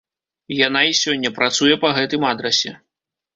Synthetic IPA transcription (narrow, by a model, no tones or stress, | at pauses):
jan̪aisʲɔnʲːɐpɾat̪sujɛpɐɣɛt̪ɨmad̪ɾɛsʲɛ